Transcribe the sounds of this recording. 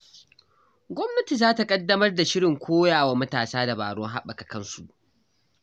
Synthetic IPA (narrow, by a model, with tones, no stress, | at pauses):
ɡʷɔ˦mnɐ˦ti˨zaː˦ta˨kʼɐ˦dːɐ˦mɐ˦rda˨ʃɪ˦ɽɪ˨ŋkʷoː˦jaː˨wa˦mɐ˦taː˨saː˦da˨ba̰ː˨ɽɔ˦ŋɦa˦ɓɐ˨ka˨kɐ˦nsu˨ʔ